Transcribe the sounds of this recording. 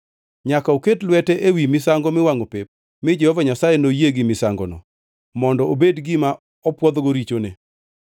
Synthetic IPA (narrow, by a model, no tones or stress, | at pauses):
ɲakaoketlwɛtɛʔewimɪsaŋɡɔmɪwaŋopep̚ | mɪd͡ʒɛhɔvaɲasajenojeɡɪmɪsaŋɡɔ̰nɔ̰ | mɔndɔobedɡɪma | ɔpwɔd̪ɡoɾit͡ʃone